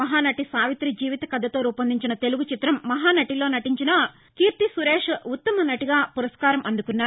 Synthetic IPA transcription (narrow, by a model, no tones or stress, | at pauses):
ɐɦaːnɐʈisaːʋit̪ɾid͡ʒiːʋit̪ɐkɐd̪ʱːɐt̪o̞ːɾuːpɐnd̪iɲt͡ʃinɐt̪e̞luɡut͡ʃit̪ɾɐmːɐɦaːnɐʈilo̞ːnɐʈiɲt͡ʃinɐ | kiːɾt̪isuɾeːʂut̪ːɐmɐnɐʈiɡaːpuɾɐskaːɾɐmɐnd̪ukunːaː